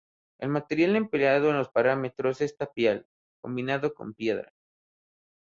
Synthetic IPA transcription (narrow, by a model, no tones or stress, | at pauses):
e̞lmat̪e̞ɾjale̞mpleaðoenlo̞spaɾame̞t̪ɾose̞st̪apjal | ko̞mbinaðo̞ko̞̰mpje̞ðɾa̰